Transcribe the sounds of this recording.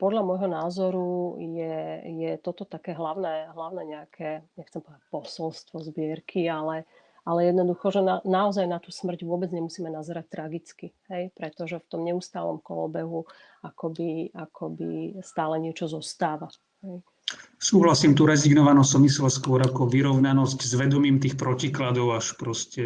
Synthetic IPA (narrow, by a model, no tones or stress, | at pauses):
pɔd̪ʎamɔjɦɔnaːzɔɾujɛjɛt̪ɔt̪ɔt̪akɛːɦlaʊnɛːɦlaʊnɛɲɛakʰɛɲɛxt͡sɛmpɔʋɛd̪ac̚pɔsɔlst̪ʋɔzbɪɛɾkʰialɛ | alɛjɛd̪nɔd̪uxɔʒɛnanaɔzajnat̪uːsmr̩ɟʋʊɔbɛd͡zɲɛmusiːmɛnazɾac̚t̪ɾaɡit͡skiɦɛjpɾɛt̪ɔʒɛft̪ɔmɲɛust̪aːlɔ̰mkɔ̰lɔ̰bɛɦu | akɔbiakʰɔbḭst̪aːlɛɲɪɛt͡ʃɔzɔst̪aːʋa | hɛj | suːɦlasiːmt̪uɾɛziɡnɔʋanɔsɔmislɛskʊɔɾakɔʋiɾɔʊnanɔsczʋɛd̪ɔmiːmt̪iːxpɾɔciklad̪ɔʊaʃpɾɔscɛ